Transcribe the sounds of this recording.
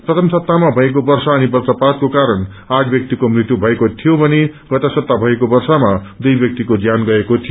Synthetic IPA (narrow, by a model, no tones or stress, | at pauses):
prʌt̪ʰʌmsʌp̚t̪amabʱʌekobʌrsaʌnibʌrt̪ʌpat̪̚kokaɾʌn | aʈʰbjʌk̚t̪ikomrit̪jubʱʌekot̪ʰijobʱʌneɡʌt̪asʌp̚t̪ːabʱʌekobʌrsamad̪ujbjʌk̚t̪ikod͡zjanɡʌekot̪ʰijo